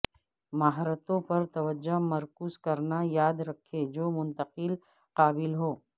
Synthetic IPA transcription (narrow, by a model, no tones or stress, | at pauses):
maɦɾət̪õpɐɾt̪ɐʋəd͡ʒːomɐɾkuːzkɐɾnajaːd̪ɾɐkʰːed͡ʒoːmʊ̃nt̪əqɪl | qaːbɪlɦoː